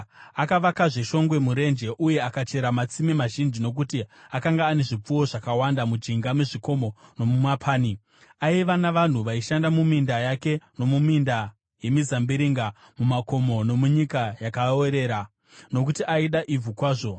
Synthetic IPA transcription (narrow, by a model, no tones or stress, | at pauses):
akaʋakaʐe̞ʃo̞ŋɡwe̞muɾe̞nd͡ʒe̞ʔuje̞akat͡ʃe̞ɾamat͡simimaʒind͡ʒino̞k̬utiakaŋɡaːne̞ʐip͡fuwo̞ʐakawandamud͡ʒiŋɡameʐiko̞mo̞no̞mumapʰaːni | aiʋanaʋan̤uʋaiʃandamumindajake̞no̞muminda | je̞mizambiɾiŋɡa | mumako̞mo̞no̞muɲikajakaeɾe̞ːɾa | no̞k̬utiʔaiɗaʔib͡vukwaːʐo̞